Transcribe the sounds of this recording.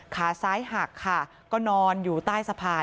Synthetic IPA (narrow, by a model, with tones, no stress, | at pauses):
kʰaː˩˦saː˨˦˥jɦa˨˩kʰːa˥˩ | kɔː˥˩nɔː˧njuː˨˩t̪aː˥˩jsa˧pʰaː˧